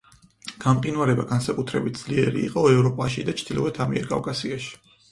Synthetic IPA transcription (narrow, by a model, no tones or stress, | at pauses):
ɡ̥amqʼinwaɾɛbaɡansakʼut̪ʰɾɛbit̪̚d̪z̥liɛɾḭːqʼɔɛvɾɔpʼaʃid̪at͡ʃʰd̪ilɔvɛt̪ʰamiɛɾkʼa̰vkʼasiaʃi̥